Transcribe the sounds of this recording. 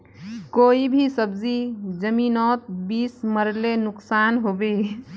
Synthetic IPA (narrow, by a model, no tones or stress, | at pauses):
koibʱisəbzid͡ʒəminɔt̪̚bisməɾlenʊksanɦobe